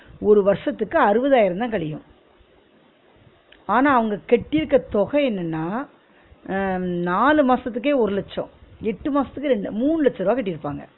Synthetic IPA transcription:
ɔɾɯʋɐɾʂɐt̪ːɯkːɯɐɾɯʋɐðaːjɪɾɐnd̪ãːkɐɭɪjʊ̃ | aːnaːɐʋɐŋɡɐkɛʈːɪɾɯkːɐt̪ɔɣɐɛnːɐnːaː | naːlɯmaːsɐt̪ːɯkːeːɔɾɯlɐt͡ʃːɐ̰̃ɛʈːɯmaːsɐt̪ːɯkːɯɾɛɳɖɯmuːɳɯlɐt͡ʃːɐɾaːkɛʈːɪɾɯpːaːŋɡɐ̰

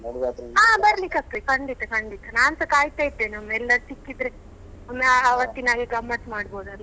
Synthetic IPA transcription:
ɐɽat̪aːbɐɾlikɐkːekɐɳɖit̪ːɐkɐɳɖit̪ːɐnaːnsɐkaːjt̪ait̪ːenɐmːɐɛlːɐɾsikːid̪ɾe | omːeɐʋɐt̪ːinaːɡiɡɐmːɐʈmaːɽboːd̪uɐlː

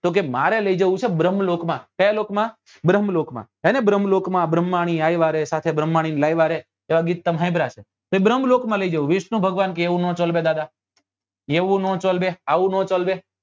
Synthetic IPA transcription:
t̪ok̬emaɾeləid͡ʒəʋũt͡ʃʰebɾəmlokmãkəjalokmã | bɾəmlokmã̰ | enebɾəmlokmãbɾəmːaɽ̃iajʋaɾesat̪ʰebɾəmːaɽ̃inlajʋaɾe | eʋaɡit̪ːəmɦãibʱɾaʃe | t̪oebɾəmlokmãləid͡ʒəʋũʋɪʃnũbʱəɡʋankeːʋũnɔ̃t͡ʃəlbed̪ad̪a | eʋũnõt͡ʃolbeaʋũnõt͡ʃolbe

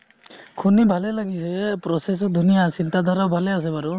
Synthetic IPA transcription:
kʰunibʱalɛlaɡisɛpɹɔsɛs̬ɔd̪ʱunijasintadʱaɾawbʱalɛas̬ɛbaɾu

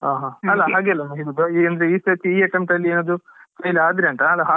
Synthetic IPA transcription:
aɦaɐlːɐɦaːɡeɐlːɐnɐɦidud̪ɐɐnd̪ɐɾeiːsɐt̪iiːɐʈɐmʈɐlːieːnɐd̪ut͡ʃɐjlaːd̪ɾeɐɳʈ̪ɐɐlːɐɦaː

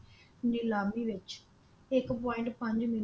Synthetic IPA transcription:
nɪlaːmiʋɪt͡ʃ | ɪkpɔːɪ̃ɳʈpə̃ɲd͡ʒmɪ

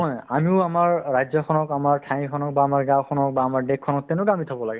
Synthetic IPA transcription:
ɔjamiʊamaɹːajzɔkʰɔnɔkamaɹtʰãikʰɔnɔk̚baːmaɹɡãwkʰɔnɔk̚baːmaɹdekʰːɔnɔk̚tɛʊnʊɡamitʰabɔlaɡɛ

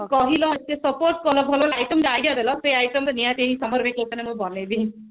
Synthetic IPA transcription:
kɔɦilɔt̪esɔpoɾʈ̚kɔlɔbʱɔlɔlajʈəmd͡ʒajɖijad̪elɔseajʈəmɾnijat̪eɦĩsɔmɔɾbʱeket̪ɔnemũbɔnebi

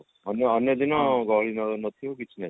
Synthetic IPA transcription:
ʌnjʌːnjʌd̪inɔɡɔɭinʌɡnʌt̪ʰijokit͡ʃʰne

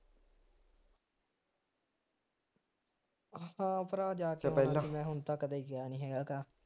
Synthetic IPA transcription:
hãːpəɾaːd͡ʒaːkːɛːlãiːmɛ̃ːɦʊnt̪ãːkəd̪eːiɡaaːnĩːɦɛːɡaːkaː

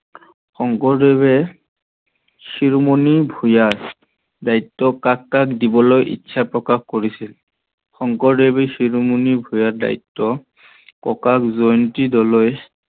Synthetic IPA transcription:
xɔŋkɔɹdeβɛ | xiɹmonibʱujaɹ | daitːɔkakːakdibɔlojʔḭtːsʰapɹɔkaxkoɹisil | xɔŋkɔɹdebɛxiɹmunibʱujaɹda̰itːɔ | kɔkakzojntidɔloj

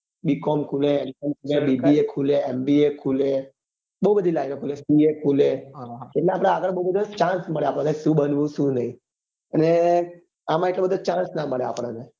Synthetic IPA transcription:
bikɔmkʰulẽenʈəmkʰulẽbibiekʰuleɛmbiekʰule | bəɦubəd̪ʱilajnekʰulesiekʰuleɦeʈlãapɽ̃ãaɡəɭbəɦubəd̪ʱat͡ʃãnsməɭeapəɽ̃ãnesũːbənʋũsũːnaĩ | əne | amãeklebəd̪ːat͡ʃãsnaməɭea̰pɽ̃ane

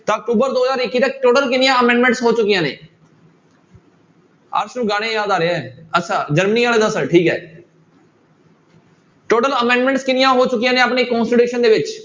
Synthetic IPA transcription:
t̪ãːək̚ʈuːbəɾd̪oːɦəzaːɾɪkːiːt̪ək̚ʈoːʈəlkɪnɪjãːəmɛ̃ːɳɖmɛ̃ːɳʈsɦoːt͡ʃʊkːɪjãːnḛː | ə̰ːɾʃnũːɡaːɽ̃eːjaːd̪aːɾeːɛɛːətːt͡ʃʰaːd͡ʒəɾməniːaːleːd̪əsəʈʰiːkɦɛ̰ː | ʈoːʈələmɛ̃ːɳɖmɛ̃ɳʈskɪnɪjãːɦoːt͡ʃʊkːijãːnẽːapneːkɔ̃ːnsʈəʈuːʃənd̪eːʋɪt͡ʃ

